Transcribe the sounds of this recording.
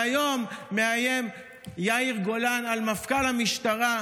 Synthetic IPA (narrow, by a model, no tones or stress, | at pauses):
ajo̞mːeajem | jaiʁɡolanalmafkalhamiʃtaʁa